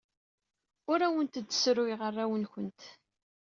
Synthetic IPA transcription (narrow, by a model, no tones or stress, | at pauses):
ʊɾæwənt̪d̪ːə̥sɾʊiʁərːæwənçənt̪